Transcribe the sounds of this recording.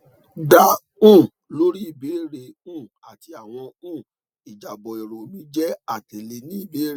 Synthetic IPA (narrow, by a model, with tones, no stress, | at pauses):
da˦ | ũ˦˨ | lo˦ɾi˦i˦˨be˨˦˨ɾe˧ũ˦˨ | a˨ti˧˦a˨w̃ɔ̃˧ũ˦˨ | i˨d͡ʒa˨bɔ˨e˨ɾo˨mũ˨˦d͡ʒɛ˦a˦˨te˨le˧nĩ˦i˦˨be˨˦ɾe˨˦